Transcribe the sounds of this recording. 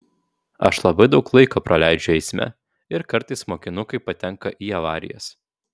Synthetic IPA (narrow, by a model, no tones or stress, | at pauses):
ɐ̰ʃlˠɐbɐɪd̪ɒʊklˠɐɪkoːpɾɐlʲæɪd͡ʒʲʊɛɪsʲmʲɛ̰ | ɪɾkɐɾt̪ɐɪsmoːkʲɪnʊkɐɪpɐt̪ʲɛŋkɐʔiːɐʋɑːɾʲɪ̰jɛ̰s